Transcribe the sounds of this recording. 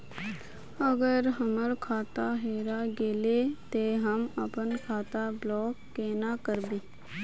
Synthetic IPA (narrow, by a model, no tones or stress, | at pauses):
əɡəɾɦəməɾkʰaːt̪aɦeːɾaɡeːlet̪eːɦəməpənkʰaːt̪ablɔːkːeːnakəɾbeː